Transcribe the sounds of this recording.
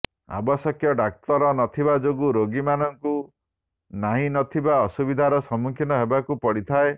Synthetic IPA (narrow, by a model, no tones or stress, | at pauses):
a̰bɔsɔkjɔɖak̚t̪ɔɾɔnɔt̪ʰibad͡ʒoɡuɾoɡimanɔŋku | naɦĩnɔt̪ʰibaɔsubid̪ʱaɾɔsɔmukʰinɔɦebakupɔɽit̪ʰae